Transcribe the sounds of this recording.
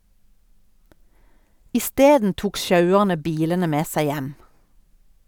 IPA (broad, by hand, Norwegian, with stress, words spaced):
ɪˈsteːdn ˈtuːk ˈʃɑʉəʁnə ˈbiːlənə ˈmeː ˈsæɪ ˈjɛm